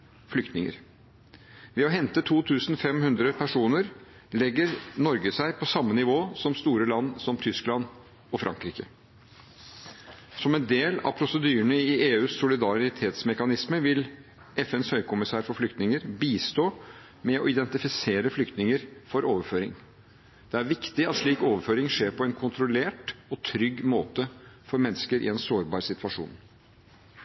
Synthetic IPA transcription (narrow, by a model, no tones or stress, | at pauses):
flʏkt̪nɪŋə̰ɾ | ʋɛɔɦɛnt̪ət̪ʰuːt̪ʰʉːsnfɛmhʉnd̪ɾəpʰæʂuːnəɾ | lɛɡːəɾnɔɾɡəsæɪpʰɔsɑmːənɪʋoːsɔmst̪uːɾəlɑnːsɔmt̪ʰʏsklɑnː | ɔfɾʔɑ̰ŋkɾiːkə | sɔmɛnd̪eːlɑ̰ʋpʰɾʊsəd̪yːəɳəɪʔeːʉːsːʊlɪd̪ɑɾɪt̪ʰeːt̪smɛkɑnɪsməʋɪl | ɛfɛnshœʏkʰʊmɪsæːɾfɔɾflʏkt̪nɪŋəɾbiːst̪oː | mɛɔɪd̪ɛnt̪ɪfɪseːɾəflʏkt̪nɪŋəɾfɔɾoːʋəføːɾɪŋ | d̪̥ɛæɾʋɪkt̪ɪɑt̪ʂɭiːkoːʋəɾføːɾɪŋʂeːɾpʰɔɛnkʰʊnt̪ɾʊleːʈɔt̪ʰɾʏɡːmoːt̪əfɔɾmɛnːəskəɾʔɪ̰ɛnsoːɾbɑːɾsɪt̪ʋɑʂṵːn